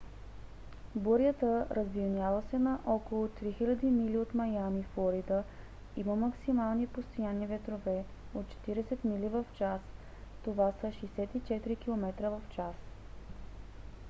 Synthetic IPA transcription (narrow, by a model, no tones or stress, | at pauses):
boɾjət̪əɾʔəzvilnʲjavəsɛnɐʔɔkolˠot̪ɾixilʲɐd̪imiliot̪mɐjamiflˠoɾid̪ə | iməmɐksimalˠnipost̪ojanivɛt̪ɾovɛ | ot̪̚t͡ʃɛ̥t̪iɾɛsɛt̪milivəft͡ʃas | t̪ovasəʃɛjsɛt̪it͡ʃɛt̪iɾikilˠomɛt̪ɾəvəft͡ʃas